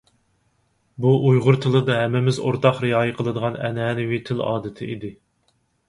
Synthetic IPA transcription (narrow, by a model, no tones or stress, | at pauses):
buʔujʁʊɾt̪ʰɨlˠɨd̪ɑɦɛmːɪmɪzo̰ɾt̪ʰɑqɾiɑːjɪqʰəlˠɨd̪əʁɑnɛ̰nɛːnɪwit̪ʰɪlɑ̰ːd̪ɪt̪ʰɪ̰ʔḭd̪ɪ